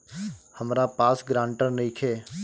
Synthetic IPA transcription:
həmɾaːpaːsɡɾãːɳʈəɾniːkʰeː

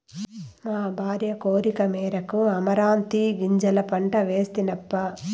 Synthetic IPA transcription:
maːbʱaːɾjɐkoːɾikɐmɛːɾɐkuɐmɐɾaːnt̪iɡiɲd͡ʒɐlɐpɐɳʈɐʋeːst̪inɐpːɐ

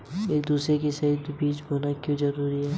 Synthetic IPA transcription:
eːk̚d̪uːsɾekesɐid̪biːt͡ʃbʱoːnakjõːzɐɾuːɾiɦɛː

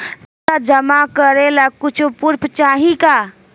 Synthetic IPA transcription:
ad͡ʒəmakəɾelakut͡ʃʰupuɾpʰt͡ʃaɦika

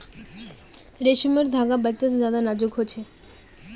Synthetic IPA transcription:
ɾeʃimeɾd̪ʱaɡabət͡ɕːasd͡ʑad̪anad͡ʑoɡɦot͡ɕʰe

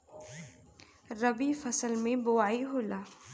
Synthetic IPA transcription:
ɾɐbifɐsəlmẽbʊwaːiɦoːlaː

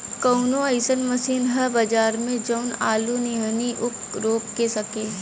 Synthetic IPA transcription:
kəʊnoəɪsənmɐsiːnɦɐbɐd͡ʒaːɾmẽd͡ʒəʊnaːluniniʔʊk | ɾoːkkesɐkeː

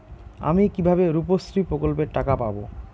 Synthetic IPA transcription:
a̰mikibʱabeɾupost̪ɾipɾokolpeɾʈakapabo

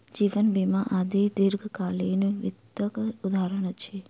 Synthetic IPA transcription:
d͡ʒiʋənbimaʔad̪ed̪ɪɾɡʱkalenʋɪd̪əkud̪ʱaɾəɽ̃t͡ʃʰe

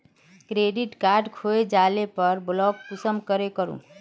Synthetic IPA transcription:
kɾeɖiʈkaɾɖkʰoed͡ʒalepəɾblɔkkusəmkəɾekəɾṵ̃

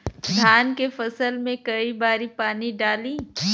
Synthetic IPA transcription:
d̪ʱaːnkefɐsəlmẽkɐibaːɾipaːniɖaːlĩː

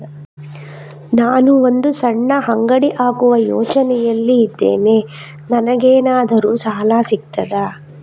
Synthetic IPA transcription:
naːnuond̪usɐɳːɐɦɐŋɡɐɽiʔaːkuʋɐjɔ̰ːt͡ʃɐnɛjɐlːiːd̪ːḛːne | nɐnɐɡeːnaːd̪ɐɾusaːlaːsik̚t̪ɐd̪aː

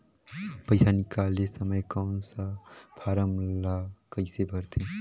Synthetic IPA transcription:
pəjsanikalesəməjkansapʰaːɾəmlakəɪsebʱəɾt̪ʰi

